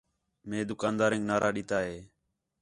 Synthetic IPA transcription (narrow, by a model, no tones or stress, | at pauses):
mẽːd̪ʊkãːnd̪aːɾẽːŋɡnaːɾʔaːɗiːt̪aːɦeː